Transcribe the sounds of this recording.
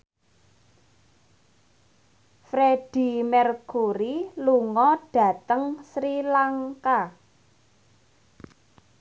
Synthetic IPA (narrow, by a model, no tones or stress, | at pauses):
fɾeɖ̥i̤mɛrkuɾiluŋɔɖ̥ä̤t̪əŋsɾilaŋka